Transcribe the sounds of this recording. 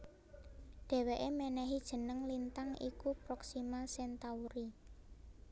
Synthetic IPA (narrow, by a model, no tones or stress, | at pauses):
ɖ̥ɛ̤weʔemɛnɛɦid̥ʒ̥ə̤nəŋlint̪aŋḭkupɾɔksimasɛnt̪auɾi